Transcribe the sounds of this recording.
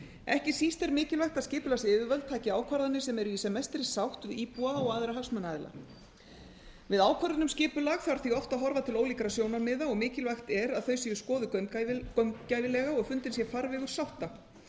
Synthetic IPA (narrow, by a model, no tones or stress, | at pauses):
ɛhcɪsist̪ɛɾmɪːcɪlvajxt̪aðscɪːpʏlasɪːvɪvœlt̪ʰaːcɪaːwkʰvaɾðanːɪsɛmɛɾʏisɛmɛst̪ɾɪsawht̪ɪðiːpuaɔɣaːðɪɾaɦafsmanaðɪla̰ | vɪðaːwkʰvaɾðɪnʏmscɪːpʏlaɣθaɾ̥θiɣɔft̪aðɦɔɾvat̪ʰɪloːwliːkɾasjoːwnaɾmɪːðaɔɣmɪːcɪlvajxt̪ɛɾaðθœɥsiʏskɔːðʏkœmcajvɪlɛːɣaɔɣfʏnt̪ɪnsjɛfaɾvɛːɣʏɾ̥sawht̪a